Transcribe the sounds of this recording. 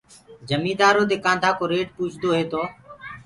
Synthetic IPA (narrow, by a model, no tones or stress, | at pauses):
d͡ʒəmĩːd̪aːɾoːd̪eːkãːnt̪ʰaːkoːɾeːʈ̚puːt͡ʃʰd̪oːɦeːt̪oː